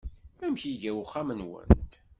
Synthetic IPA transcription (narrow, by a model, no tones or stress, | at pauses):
æmçiʝæwχæmənwə̰nt̪